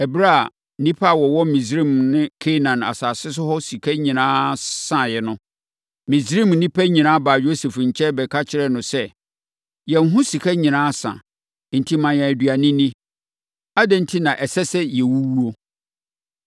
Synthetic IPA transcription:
ɛ˨bɾa˦˨ | nĩ˦pʰa˦˨wɔ˨wɔ˦mĩ˨sɾĩ˦˨mnɪ̃˦kʰe˦nã˨na̰˨saː˨sɪ˦s̬ʊ˦hɔ˦si˨kʰæ˦ɲĩ˨nãː˦sã˦˨jɛ˨nʊ̃˦ | mĩ˨zɾĩ˦mnĩ˦pʰæ˦ɲĩ˨nãː˦baː˨jo˦se˨fɲ̩˨t͡ɕʰɛ˦bɛ˨kʰa˦t͡ɕʰɪ˦ɾɛ˦nʊ̃˨sɛ˦ | jɛ˨n̩˦ɦʊ̃˦si˨kʰɛ˦ɲĩ˨nãː˦sã̰˨ | n̩˨tʰi˦mã˨jɛ̃˨dɥa˨nĩ˦nĩ˦ | a˦dɛ̃˨n̩˨tʰi˦nã˨ʔɛ˨sɛ˦sɛ˦jɛ˨wu˦wu˦o˦

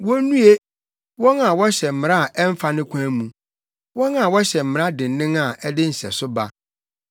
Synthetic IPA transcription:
wɔ˦nũ˦e˦ | wɔ̃˦na˨wɔ˦ɕɛ˨m̩˨mɪ̃˨ɾa˦˨ʔɛ˦m˦fa˦nɪ̃˦kʷʰãː˦mũ˨ | wɔ̃˦nã˨wɔ˦ɕɛ˨m̩˨ɾa˦dɪ̃˨nː˨˦ɪ̃˦ŋa˨ʔɛ˦dɪ˦n̩˨sɛ̰˨sʊ˦ba̰˦

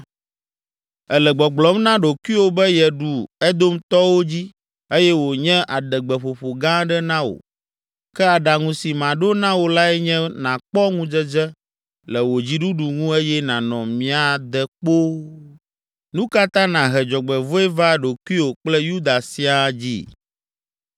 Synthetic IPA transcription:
ɛ˨lɛ˨ɡ͡bɔ˨ɡ͡blɔ˨˦mnã˦ɖo˨ku˦i˦wo˨bɛ˦jɛ˨ɖu˨ɛ˦d̪o˦mt̪ɔ˦wo˦d͡ʑi˦ | e˦jɛ˦wo˨ɲɛ̃˦ʔa˨ɖɛ˨ɡ͡bɛ˨ɸo˨ɸo˨ɡã˦ɖɛ˦nã˦wo̰˨ | kɛ˦a˨ɖa˨ŋũ˨si˨mã˨ɖo˦nã˦wo˨la˦ɛ˦ɲɛ̃˦nã˨k͡pɔ˦ŋũ˦d͡ʒɛ˦d͡ʒɛ˦ | lɛ˨wo˨d͡ʑi˦ɖu˦ɖu˨ŋũ˦ɛ˦jɛ˦nã˨nɔ̃˨mĩ˨˦a˨d̪ɛ˨k͡po˦ | nũ˦ka˦t̪ã˦nã˨ɦɛ˨d͡ʒɔ˨ɡ͡bɛ˨vo˦ɛ˦va˦ɖo˨ku˦i˦wo˨k͡plɛ˦ju˦d̪a˨si˦a˨d͡ʑḭ˦

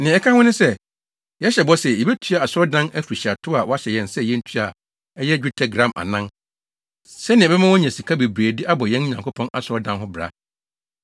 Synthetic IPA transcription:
nɪ̃˨ɛ˦kʰã˦hʊ̃˦nɪ̃˦sɛ˦ | jɛ˦ɕɛ˨bɔ˦sɛ˨ji˨bɛ˦tʰy˦a˨a˨sɔ˦dã˦næ˦fu˨ɾi˨ɕi˨a˨tʰʊ˦a˨wɔ˦a˦ɕɛ˨jɛ̃˨nsɛ˦jɛ̃˦n̩˦tʰy˦a˨ | ɛ˦jɛ˦d͡ʑᶣu˦tʰa˦ɡɾã˨ma̰˨nã˦n | sɛ˦nɪ̃˨bɛ˦mã˦wɔ˦ɲɛ̃˨si˨kʰa˦be˨bɾeː˨dɪ˦ʔa˦bɔ˨jɛ̃˦n˦ɲã˨ŋkʰo˦pʰɔ̃˦na˨sʊ˨ɾɔ˦dã˦nɦʊ˦bɾa̰˨˦

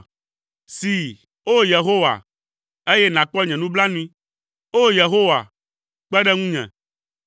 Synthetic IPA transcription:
si˨ | o˦je˨ɦo˦wa̰˨ | e˦jɛ˦nã˨k͡pɔ˦ɲɛ̃˨nũ˦bla˦nũ˦ĩ˦ | o˦je˨ɦo˦wa̰˨ | k͡pɛ˦ɖɛ˦ŋũ˦ɲɛ̰̃˨

